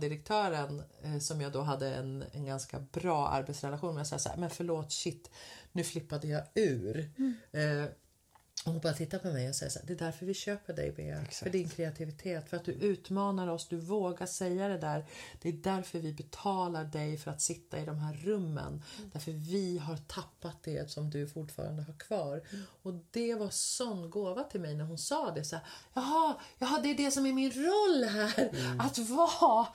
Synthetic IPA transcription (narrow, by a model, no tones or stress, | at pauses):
d̪ɪɾək̚t̪ʰœːɾənsɔmjɑːɡd̪oɦad̪ːəɛ̰nɛ̰nɡanska̰bɾɑːʔa̰ɾbɛt̪sɾɛlaɧuːnmɛjasɑ̰ːjsæ̰ːɾmɛnfœɭoːt̪ɕɪt̪ːnʉ̟ːflɪpːad̪əjɑːʉ̟ːɾ | ɔhʊnbɑːɾat̪ʰɪt̪ːapʰɔmɛjɔsɛ̰jːa̰sæ̰ːd̪ɛːd̪æɾfœɾvɪɕøːpəɖɛ̰jbḛːfœɖɪnkʰɾɛat̪ʰɪvɪt̪ʰeːt̪ːfœɾat̪̚d̪ɵʔʉ̟ːt̪mɑːnaɾɔsd̪ɵvoːɡaʂɛjːad̪ɛd̪æːɾd̪̥ɛːd̪æɾfœɾvɪbɛt̪ʰɑːlaɖɛjfœɾat̪sɪt̪ʰːa̰ɪd̪ɔmɦæːɾːɵmːə̰nd̪̥æɾfœɾvɪɦaɾt̪ʰapːat̪̚d̪ɛsɔmd̪ɵfʊʈːfɑ̰ːɾa̰nd̪əɦaɾkʰv̥ɑːɾɔd̪ɛvasɔnːɡoːvat̪ʰɪlmɛjnæɾɦʊnsɑːd̪ɛsæːɾjɑɦɑjɑɦɑd̪ɛæɖɛsɔmæɾmɪnɾɔlːɦæːɾat̪vɑ